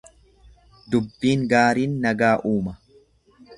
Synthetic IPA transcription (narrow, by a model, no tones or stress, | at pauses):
d̪ʊbːiːŋɡaːɾiːnːɐɡaːʔuːmɐ